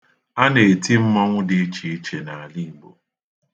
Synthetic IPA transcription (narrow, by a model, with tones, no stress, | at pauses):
a˦ne˨e˨ti˦m̩˦mɔ˦ŋʷʊ˦dɪ˨e˦t͡ʃi˨e˦t͡ʃe˨na˨a˨li˦bo˨